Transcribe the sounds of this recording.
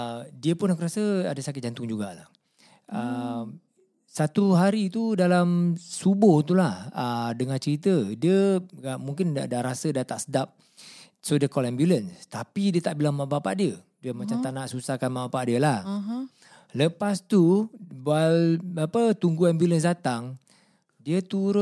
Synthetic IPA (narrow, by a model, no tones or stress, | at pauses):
diəpʊnakəɾasəa̰dəsakɪt̪̚d͡ʒant̪ʊŋd͡ʒuɡaʔla̰h | ə | sat̪uɦaɾit̪udalamsubʊht̪̬ulahədəŋãnt͡ʃəɾit̪ədiəmuŋkɪndadaɾasədat̪aʔsədap̚ | sodəkɔlɛmbjulənst̪apidiət̪aʔbilaŋmaʔbapa̰ʔdiə | diəmat͡ʃat̪anaʔsusahkanmaʔbapaʔdiəlah | ləpast̪ubalapət̪uŋɡuɛmbjuləns̬dat̪aŋ | diət̪uɾʊ